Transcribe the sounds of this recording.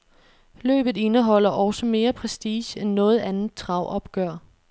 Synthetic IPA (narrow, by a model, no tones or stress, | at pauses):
lø̰ːb̥ð̩ˠe̝nəɦɒ̽l̰ɐʔɒ̽ʊsəme̝ːɐpʰʁɛsd̥iːɕenːɔ̽ːð̞̩ˠænð̩ˠt͡sʰʁɑ̈ʊ̰ʔɒ̽b̥ɡ̥œɐ̰